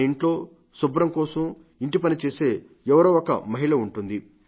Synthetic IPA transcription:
iɳʈlo̞ː | subɾɐmkɔːsɐm | iɳʈipɐnit͡ʃe̞ːse̞ː | ɛʋɐɾoːɔkɐ̰mɐɦiɭɐuɳʈund̪i

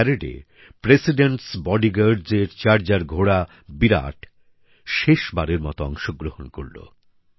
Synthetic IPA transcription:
ɛɾeɖḛ | pɾesiɖeɳʈsbɔɖiɡaɾd͡ʑeɾt͡ɕaɾd͡ʑaɾɡʱoɽa | biɾa̰ʈ | ʃeʃbaɾeɾmɔ̰t̪oɔ̰ŋʃoɡɾohonko̰ɾlo̰

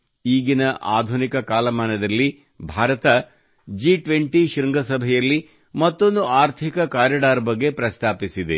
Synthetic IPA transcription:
iːɡinɐʔaːd̪ʱunikɐkaːlɐmaːnɐd̪ɐlːi | bʱaːɾɐt̪ɐ | d͡ʒiʈʋeɳʈiʃɾŋɡɐsɐbʱɛjɐlːi | mɐt̪ːo̞nd̪uʔaːɾt̪ʰikɐkaːɾjɐɖaːɾɐbɐɡːe̞pɾɐst̪ʰaːpisid̪e̞

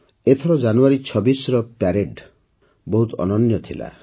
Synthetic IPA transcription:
et̪ʰɔɾɔd͡ʒanuaɾit͡ʃʰɔbisɾɔpaɾeɖ | bɔɦut̪ɔ̰nɔnjɔt̪ʰila̰

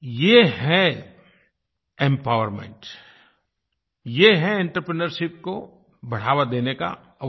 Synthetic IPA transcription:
jeɦɛ | ẽmpaːʋəɾmḛ̃ɳʈ | jeɦɛẽɳʈɾəpɾənəɾʃɪp̚ko | bɐɽ̤aːʋad̪eːneka̰

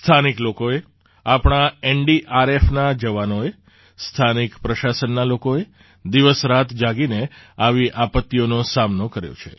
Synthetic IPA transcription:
st̪ʰaniklokoe | apɳ̃aeɳɖiʔaɾefnad͡ʒəʋanoe | st̪ʰanikpɾəʃasənːalokoe | d̪iʋəsɾat̪ʰd͡ʒaɡineaʋiʔapət̪ːionosamnokəɾjo̰t͡ʃʰḛ

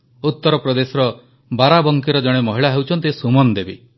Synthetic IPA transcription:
ut̪ːɔɾɔpɾɔd̪esɔɾɔ | baɾabɔŋkiɾɔd͡ʒɔɽ̃emɔɦiɭaɦewt͡ʃʰɔnt̪̬isumɔnd̪ebi

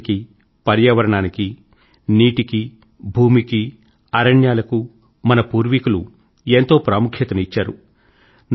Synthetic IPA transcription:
ki | pɐɾjɐʋɐɾɐɳaːniki | niːʈiki | bʱuːmiki | ɐɾɐɳjaːlɐku | mɐnɐpuːɾʋikulu | ent̪o̞ːpɾaːmukʰjɐt̪ɐnit͡ʃːaːɾu | n

